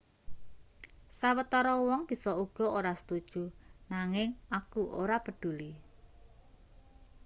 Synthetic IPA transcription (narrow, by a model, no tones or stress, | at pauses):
sawət̪ɔɾɔwɔŋb̥i̤sɔuɡ̥ɔ̤oɾasə̥t̪ud̥ʒ̥unaŋɪŋakuʔo̰ɾapəɖ̪̥ṳli